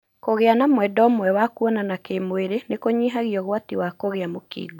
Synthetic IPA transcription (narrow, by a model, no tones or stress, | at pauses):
koɣeanamwɛdɔmwɛwakuɔnanakemoeɾenekoɲiɦaɣiɔɣwatiwakoɣeamokḭːɡo